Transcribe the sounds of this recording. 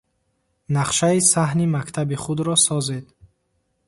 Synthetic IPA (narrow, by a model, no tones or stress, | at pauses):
naqʃaisaɦnimakt̪ʰabiχud̪ɾɔsɔzed̪